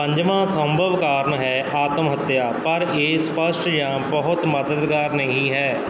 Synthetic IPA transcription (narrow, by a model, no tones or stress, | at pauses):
əɲd͡ʒmãːsə̃mbʱəʋkaːɾɳɦɛːʔaːt̪əmɦət̪jaːpəɾeːspəsʈjãːbəɦʊt̪məd̪əd̪ɡaːɾnəɦĩːɦɛː